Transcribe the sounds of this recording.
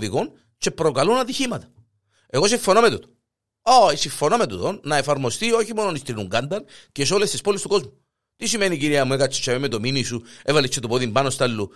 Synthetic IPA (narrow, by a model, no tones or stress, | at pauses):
ðiɣon | t͡ʃe̞pɾo̞kɐlunɐt̪içimɐt̪ɐ̥ | e̞ɣo̞siɱfo̞nome̞t̪ut̪o̥ | oisiɱfonome̞t̪ut̪onːɐe̞fɐɾmo̞st̪io̞çimo̞nonist̪inuŋɡɐnd̪ɐncesolest̪ispolist̪uko̞zmu | t̪isimeniciɾiɐmuekɐt͡ʃːi̥t͡ʃːememet̪ominisuevɐlit͡ʃːet̪opoðimbɐnost̪ɐlːu